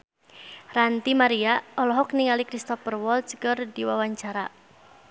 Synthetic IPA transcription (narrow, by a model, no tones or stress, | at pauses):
rant̪imaɾiaɔlɔɦɔk̚niŋalikɾist̪ɔfərwɔlt̪skərdiwawaɲt͡ʃaɾa